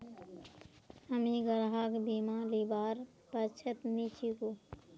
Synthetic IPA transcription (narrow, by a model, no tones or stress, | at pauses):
həmiɡəɾɦakbimãlibaːɾ | pət͡ʃʰət̪nit͡ʃʰiko